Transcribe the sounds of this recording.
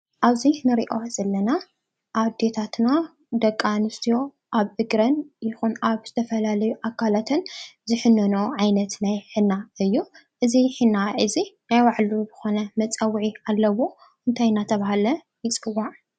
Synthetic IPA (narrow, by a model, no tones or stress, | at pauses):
ʔaβzinɨɾiʔo̞z̥ɐlːɐna | ʔaβd̪e̞t̪ʰat̪na | d̪ɐkʼːanɨst̪ʰijo̞ | ʔaβʔɨɡɾɐnjɪxunaβzɨt̪ʰɐfɐlalɐjuʔakʰːalat̪ʰɨnzɨħɨnːɐnoʕajnɐt̪najħɨnːaɨjːuʔɨziħɨnːaʔɨzinajwaʕlubɨxo̞nɐmɐt͡sʼɐwʕialːɐwo̞ | ʔɨnt̪ʰajnat̪ʰɐβahalɐ | jɪt͡sʼɨwaʕ